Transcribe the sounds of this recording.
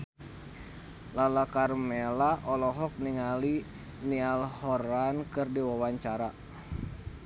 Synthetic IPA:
lalakarmelaʔɔlɔɦɔk̚niŋali | nialhɔɾankɨrdiwawaɲt͡ʃaɾa

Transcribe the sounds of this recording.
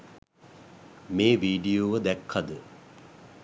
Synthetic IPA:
meːʋiːɖijoːʋəd̪ækʰːad̪ə

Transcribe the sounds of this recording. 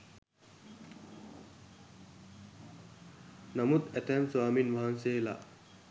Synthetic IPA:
nɐmut̪ɛtɛmswaminmɐɦansela̰

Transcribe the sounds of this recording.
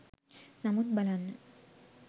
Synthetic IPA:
nɐmut̪bɐlan

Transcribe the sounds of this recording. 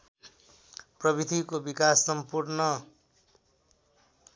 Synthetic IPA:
prʌbid̪ʱikobikasːʌmpurnʌ

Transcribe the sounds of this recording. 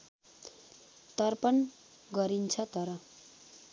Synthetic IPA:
t̪ʌrpʌn | ɡʌɾint͡sʰʌt̪ʌɾʌ

